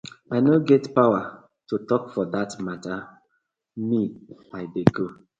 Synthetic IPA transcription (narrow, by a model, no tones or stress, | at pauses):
anoɡɛtpawa | tutɔkfɔdatmata | miaɪdeɡo